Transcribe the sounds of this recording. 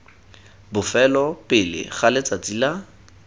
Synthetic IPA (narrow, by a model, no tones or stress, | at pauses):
bʊfɛlɔpɪlɪ̰χalet͡sat͡sila